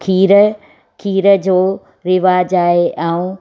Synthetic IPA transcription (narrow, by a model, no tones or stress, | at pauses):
kʰiːɾə | kʰiːɾəd͡ʑoː | ɾɪʋaːd͡ʑaːɦeʔaːũ